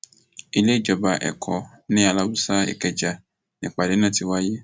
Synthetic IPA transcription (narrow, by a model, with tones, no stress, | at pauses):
i˨le˦˨d͡ʒɔ˨ba˨ʔɛ̰˨kʰɔ˨ | nĩ˦a˨la˦bu˦sa˦ḛ˨kɛ˨d͡ʒa˨ | nĩ˨k͡pa˨de˨˦nã˦˨ti˨wa˦je˦